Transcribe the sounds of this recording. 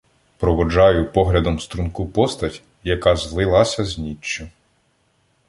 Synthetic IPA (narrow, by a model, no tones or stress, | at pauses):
pɾɔʋɔd͡ʒɑjʊpɔɦlʲɐd̪ɔmst̪ɾunkupɔst̪ɐtʲ | jɐkɑzlˠɪlˠɑsʲɐzʲnʲit͡ʃːʊ